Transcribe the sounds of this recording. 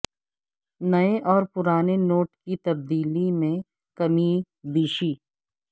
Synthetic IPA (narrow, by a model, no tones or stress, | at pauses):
nɐeʔɔːɾpʊɾaːnenoːʈkit̪ɐb̚d̪iːlimẽ | kɐmi | biːʃiː